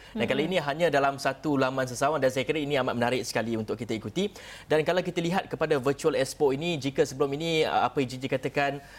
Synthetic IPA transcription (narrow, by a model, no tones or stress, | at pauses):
dankalainĩɦaɲãdalamsat̪ulamãns̬əsawandansajakiɾainĩamat̪̚mənaɾɪk̚sə̥kaliunt̪ʊkːit̪aikut̪i | dankalawk̬it̪aliɦat̪̚kəpadavət͡ʃuəlɛspoinĩd͡ʒikəsəbəlʊminḭ̃a̰pəid͡ʒid͡ʒikat̪akan